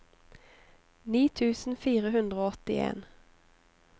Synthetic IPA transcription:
niːt̪ʰʉːsnfiːɾəɦɵnd̪ʁəoːɔt̪ːɪḛːn

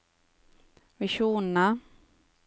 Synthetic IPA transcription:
vɪʂuːnəna

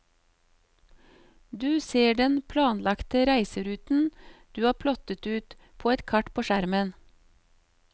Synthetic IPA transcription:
d̪ʉːseːɖɛnpʰlɑːnlɑkt̪əɾæɪsəɾʉːt̪n̩d̪̥ʉːɑːpʰlɔt̪ət̪ʉːt̪ | pʰoːɛt̪kʰɑʈpʰoːʃæɾmən

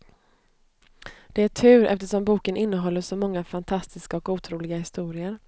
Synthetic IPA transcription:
d̪̥ɛæʈʰʉ̟ːɾʔɛ̰ft̪əʂɔmbuːkənɪnːəɦɔlːəʂɔmɔŋːafant̪ʰast̪ɪskaɔkuːt̪ʰɾuːlɪɡahɪst̪uːɾɪəɾ

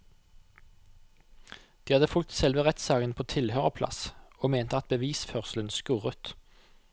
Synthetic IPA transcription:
d̪̥iːhɑd̪əfʉlt̪sɛlʋəʁɛt̪sɑːɡənpʰoːt̪ʰɪlhøːʁəpʰlɑ̰soːmeːnt̪əɑt̪̚bəʋiːsfœʁsl̩ənskʉʁət̪

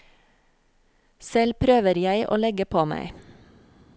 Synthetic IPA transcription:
sɛlpʰɾøːʋəɾjæɪʔo̰ːlɛɡəpʰoːmæ̰ɪ

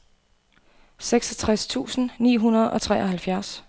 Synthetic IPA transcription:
seɡ̥sɒt͡sʰʁast͡sʰṵːsn̩nḭːɦunɐð̞ˠɒ̽t͡sʰʁɛ̰ːʔɒɦælfjæɐs

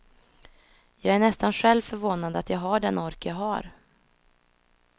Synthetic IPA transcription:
jɑːɡæɳɛst̪anɧɛlvfœɾvoːnad̪əat̪jɑːɡɦaɖɛnɔɾkjɑɡɦaɾ

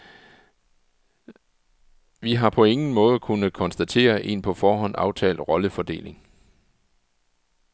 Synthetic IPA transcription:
ʋiɦɑ̈pʰɒ̽e̝ŋn̩mɔ̽ːð̞ˠkʰunəkʰɒ̽nsd̥æt͡sʰe̝̰ːɐʔe̝̰npʰɒ̽fɒːɦɒ̽n̰ɑ̈ʊt͡sʰɛ̰ːld̥ʁɒ̽ləfɒd̥e̝̰ːlʔe̝ŋ

